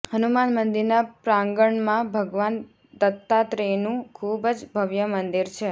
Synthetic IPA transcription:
hənumanmənd̪iɾnapɾãŋɡəɳmãbʱəɡʋan | d̪ət̪ːat̪ɾenũkʰubəd͡ʒbʱəʋjəmənd̪iɾt͡ʃʰe

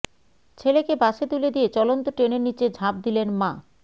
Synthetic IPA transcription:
t͡ɕʰelekebaʃet̪uled̪ijet͡ɕɔlont̪oʈɾeneɾnit͡ɕed͡ʑʱab̚d̪ilenma

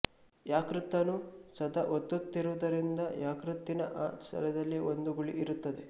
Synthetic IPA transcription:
jaːkɾut̪ːɐnusɐd̪ɐʔot̪ːut̪ːiɾuːd̪ɐɾind̪ɐjaːkɾut̪ːinɐʔaːsʰɐ̰lɛd̪ɐlːiond̪uɡuɭiʔːɾut̪ːɐd̪e

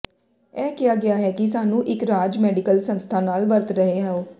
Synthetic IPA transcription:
ɛːkɪjaːɡɪaːɦɛːkisaːnũːʔɪkɾaːd͡ʒmɛːɖɪkəlsə̃nst̪ʰaːnaːlʋəɾt̪ɾəɦeɦɛ̃ːoː

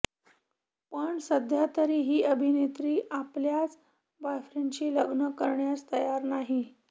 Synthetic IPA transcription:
pəɳsəd̪ʱjat̪əɾiːɦiːəbʱinet̪ɾiːʔapljat͡s | bajfɾent͡ɕiləɡnəkəɾɳjast̪əjaɾnaɦi

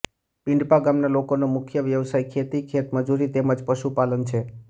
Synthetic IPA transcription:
pɪ̃ɳɖpaɡamnalokonomʊkʰjəʋjəʋsajkʰet̪ikʰet̪məd͡ʒuɾit̪eməd͡ʒpəʃupalənt͡ʃʰe

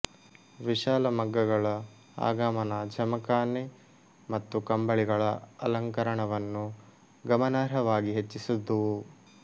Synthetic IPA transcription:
ʋiʃaːlɐmɐɡːɐɡɐɭɐ | a̰ːɡaːmɐnɐd͡ʒɐmɐkaːne | mɐt̪ːukɐmbɐɭiɡɐɭɐɐlɐŋkɐɾɐɳɐʋɐnːu | ɡɐmɐnaːɾɐʋaːɡiɦet͡ʃːisud̪ːu

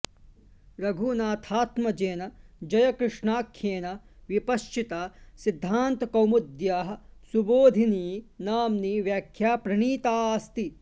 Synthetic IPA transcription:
ɾɐɡʱunaːt̪ʰaːt̪mɐd͡ʒeːnɐd͡ʒɐjɐkɾɨʂɳaːkʰjeːnɐ | ʋipɐʃt͡ʃit̪aːsid̪ʱːaːnt̪ɐkɐwmud̪jaːɦɐ̆suboːd̪ʱiniːnaːmniːʋjaːkʰjaːpɾɐɳiːt̪aːst̪i

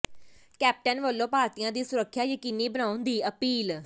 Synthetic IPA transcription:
kɛːp̚ʈənʋəlːõːpaːɾt̪ijãːd̪iːsʊɾəkʰːjaːjəkiːniːbənaːʊnd̪iːəpiːl

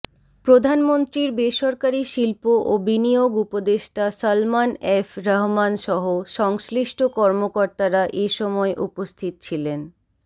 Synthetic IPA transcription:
pɾod̪ʱanmont̪ɾiɾbeʃɔɾkaɾiʃilpoʔobinijoɡupod̪eʃʈasalmanefɾaɦmanʃɔɦoʃɔŋsliʃʈʰokɔɾmokɔɾt̪aɾaʔeʃɔmɔeʔupost̪ʰit̪o̥t͡ɕʰilen

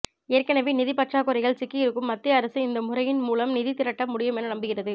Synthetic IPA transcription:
eːɾkɐnɐʋinɪðɪpɐʈraːkɯɾɐɪɣɐɭsɪkːɪjɪɾɯkːɯmːɐt̪ːɪɐɐɾɐsɯɪnd̪ɐmʊrɐjɪnmuːlɐmnɪðɪt̪ɪɾɐʈːɐmːʊɽɪjɐmɛnːɐnɐmbɯɣɪrɐðɯ

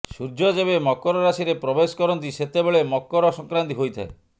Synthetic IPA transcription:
suɾd͡ʒɔd͡ʒebemɔkɔɾɔɾasiɾepɾɔbesɔ̥kɔɾɔnt̪̬iset̪ebeɭemɔkːɔɾɔsɔŋkɾant̪iɦojt̪ʰae

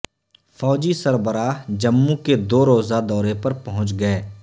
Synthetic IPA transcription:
fɔːd͡ʒisɐɾbəɾaːɦd͡ʒɐmːũked̪oːɾoːzad̪ɔːɾepɐɾpɐɦʊ̃t͡ʃɡɐeː

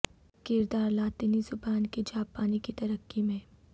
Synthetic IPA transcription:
kɪɾd̪aːɾlaːt̪ɪnizʊbaːnkid͡ʒaːpːaːnikit̪ɐɾəkːimẽː

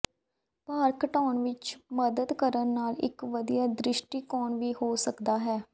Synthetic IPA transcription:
paːɾkəʈɔːɳʋɪt͡ʃməd̪əd̪kəɾənːaːlɪ̰kʋəd̪ijaːd̪ɾɪʃʈiːkɔːnʋiːhoːsəkd̪aːɦɛː

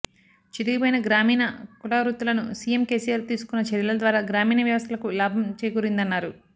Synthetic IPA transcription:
t͡ʃid̪iɡipojnɐɡɾaːmiːnɐkuɽaːɾuːt̪ulɐnusiːjemke̞ːsijaːɾt̪iːsu̥kunːɐt͡ʃɐɾjɐlɐɐd̪ʋaːɾaːɡɾaːmiːnɐʋjɐʋɐst̪ʰɐlɐkulaːbʱɐmt͡ʃeːjɡuːɾind̪ɐnːaːɾu

